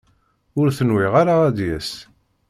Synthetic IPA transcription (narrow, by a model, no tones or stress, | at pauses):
ʊɾθənwiʁaɾaæd̪jæs